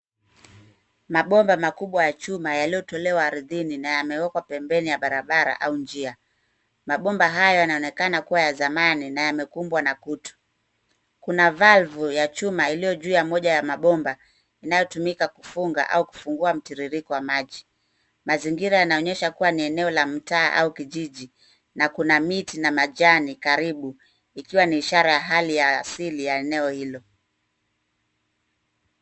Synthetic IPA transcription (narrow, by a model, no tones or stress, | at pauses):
maɓɔmbamakuɓwajat͡ʃumajalijɔtɔlɛwaːɾiðininajamɛwɛkwapɛmbɛnijaɓaɾaɓaɾa̰ʔaund͡ʒia | maɓɔmbaɦajɔjanaɔnɛkanakuwajazamaninajamɛkumbwanakutɔ̥ | kunavalvujat͡ʃumailijɔʄuːjamɔʄajamaɓɔmba | inajɔtumikakufuŋɡa̰ʔa̰uku̥fuŋɡuam̩tiɾiɾikɔwamaʄi | maziŋɡiɾajanaɔɲɛʃakuwaniɛnɛɔlam̩taːʔa̰ukiʄiʄi | nakunamitinamaʄanikaɾiɓu | ikiwaniːʃaɾajaɦalijaːsilijaɛnɛɔhilɔ